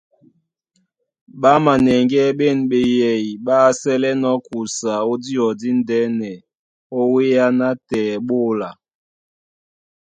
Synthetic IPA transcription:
ɓa˦ma˨nɛ˨ŋɡɛ˦ɓe˦˨nɓe˨jɛ˨i˨ɓa˦sɛ˦lɛ˦nɔ˦ku˨sa˨o˦di˦ɔ˨di˦n˦dɛ˦nɛ˨ | o˦we˦a˦na˦tɛː˨ɓo˦˨la˨

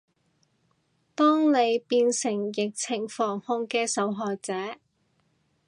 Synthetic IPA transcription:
t̪ɔː˥ŋne˨˧jpiː˧nsɪ˨˩ŋjɪ˨k̚t͡sʰɪ˨˩ŋfɔː˨˩ŋhʊ˧ŋkɛː˧sɐ˨˥wɦɔː˨k̚t͡sɛː˨˥

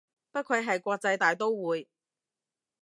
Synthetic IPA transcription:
pɐ˥t̚kʰɵ˨˧ɥɦɐ˨jkʷɔː˧k̚t͡sɐ˧jt̪aː˨jt̪o˥wwuː˨˧j

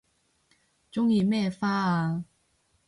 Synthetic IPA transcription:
t͡ɕʊ˥ŋi˧mɛ˥˩faː˥a˧

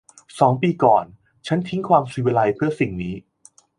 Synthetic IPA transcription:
sɔː˩˦ŋpiː˧kɔ̰ː˨˩n | t͡ɕʰa˦˥nt̪ʰi˦˥ŋkʰwaː˧msu˨˩˦we˧la˧jpʰɯ˥˩ɐsi˨˩ŋniː˦˥

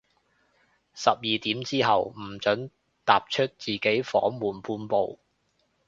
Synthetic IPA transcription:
sɐ˨p̚jiː˨t̪iː˨˥mt͡siː˥ɦɐ˨wm̩˨˩t͡ʃɵ˨˥n | t̪aː˨p̚t͡ʃʰɵ˥t̚t͡siː˨˩ke˨˥jfɔ̰ː˨˥ŋmuː˨˩npuː˧npo˨w

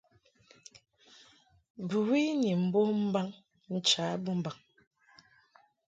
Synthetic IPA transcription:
bu˨wi˦ni˨m̩˨bo˦m̩˦ba˦ŋ | n̩˨t͡ʃaː˨˦bu˦m̩˨ba˨ŋ

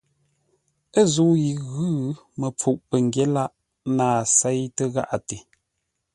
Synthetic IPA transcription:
ə˦˨zu˨˦ji˨ɣʉ˦ | mə˨p͡fu˨ʔpə˨ŋ˨ɡje˦la˦ʔ | naː˨sɛ˦jtə˦ɣa̰˦ʔa˨te˨

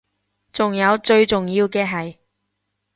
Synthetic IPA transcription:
t͡sʊ˨ŋjɐ˨˧wt͡ʃɵ˧ɥt͡sʊ˨ŋjiː˧wkɛː˧ɦɐ˨j

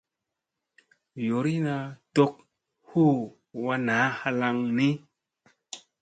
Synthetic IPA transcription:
jo˨ɾi˦na˧˨to˦k̚ | hu˦ | wa˧na˨˦ha˧la˧ŋni˦

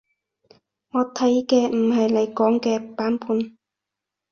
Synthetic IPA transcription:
ŋɔː˨˧t̪ʰɐ˨˥jkɛː˧m̩˨˩hɐ˨jle˨˧jkɔː˨˥ŋkɛː˧paː˨˥npʰuː˨˧n

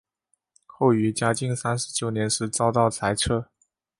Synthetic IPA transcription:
xo˥˩ʊy˧˥t͡ɕja˥t͡ɕi˥˧ŋsa˥nʂɻ̩˧˥t͡ɕjo˨˩ʊnjɛ˧˥nʂɻ̩˧˥t͡sɑ˥ʊt̪ɑ˥˩ʊt͡sʰa˧˥ɪʈ͡ʂʰɤ˥˩

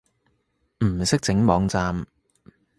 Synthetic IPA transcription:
m̩˨˩sɪ˥k̚t͡sɪ˨˥ŋmɔː˨˧ŋt͡saː˧m

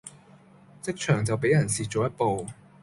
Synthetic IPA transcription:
t͡sɪ˥k̚t͡ʃʰœː˨˩ŋt͡sɐ˨wpe˨˥jɐ˨˩nsiː˨t͡ʃo˨wjɐ˥t̚po˨w

